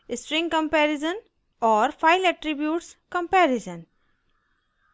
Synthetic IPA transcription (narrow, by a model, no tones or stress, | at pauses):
ɪsʈɾɪ̃ŋkə̃mpɛɾɪzə̃n | ɔːɾfʰaɪlɛʈɾibjuːʈskə̃mpɛːɾizə̃n